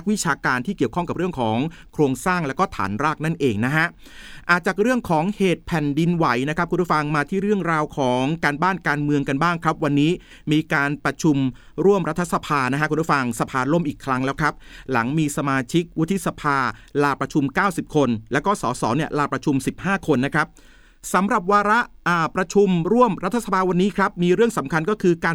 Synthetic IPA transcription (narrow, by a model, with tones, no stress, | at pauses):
a˦˥k̚wi˦˥t͡ɕʰaː˧kaː˧nt̪ʰiː˥˩ki˨˩əwkʰɔ˥˩ŋka˨˩p̚ɾɯ˥˩əŋkʰɔː˩˦ŋ | kʰɾoː˧ŋsaː˥˩ŋlɛː˦˥wkɔː˥˩t̪ʰa̰ː˩˦nɾaː˥˩k̚na˥˩nʔeː˧ŋna˦˥kʰa˦˥ʔ | ʔaː˨˩t̪̚t͡ɕaː˨˩k̚ɾɯ˥˩əŋkʰɔː˩˦ŋheː˨˩t̪̚pʰɛ˨˩ndi˧nwa˩˦jna˦˥kʰa˦˥kʰu˧npʰːfa˧ŋmaː˧t̪ʰiː˥˩ɾɯ˥˩əŋɾaː˧wkʰɔː˩˦ŋkaː˧nbaː˥˩nkaː˧nmɯ˧əŋka˧nbaː˥˩ŋkʰɾa˦˥p̚wa˧nːiː˦˥ | miː˧kaː˧npɾa˧t͡ɕʰu˧m | ɾu˥˩əmɾa˦˥t̪ʰːa˧sa˧pʰaː˧na˦˥kʰa˦˥ku˧pʰːfa˧ŋsa˧pʰaː˧lo˥˩mʔiː˨˩kʰɾa˦˥ŋlɛː˦˥wkʰɾa˦˥p̚la̰˩˦ŋmiː˧sa˧maː˧t͡ɕʰi˦˥k̚wt̪ʰːi˦˥sa˧pʰaː˧laː˧pɾa˧t͡ɕʰu˧mkaː˥˩wsi˨˩p̚kʰo˧nlɛː˦˥wkɔː˥˩sɔ̰ː˩˦sɔː˩˦ni˥˩əlaː˧pɾa˧t͡ɕʰu˧msi˨˩p̚haː˥˩kʰo˧nːa˦˥kʰɾa˦˥p̚ | sa˩˦mɾa˨˩p̚waː˧ɾa˦˥ʔʔaː˨˩pɾa˧t͡ɕʰu˧mɾu˥˩əmɾa˦t̪ʰːa˧˥sa˧pʰaː˧wa˧nːiː˦˥kʰɾa˦˥p̚miː˧ɾɯ˥˩əŋsa˩˦mkʰa˧nkɔː˥˩kʰɯː˧kaː˧